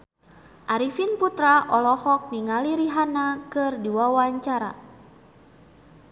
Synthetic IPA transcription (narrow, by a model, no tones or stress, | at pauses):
ʔaɾifinput̪ɾaʔɔlɔhɔk̚niŋaliɾiɦanakɨrdiwawaɲt͡ʃaɾa̰